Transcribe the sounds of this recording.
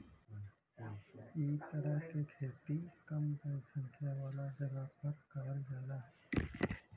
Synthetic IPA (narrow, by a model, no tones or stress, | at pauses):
iːt̪əɾəɦkekʰeːt̪ikɐmd̪əsə̃ŋkʰjaʋaːlad͡ʒɐɡapəɾkaːɾd͡ʒaːlaɦɛ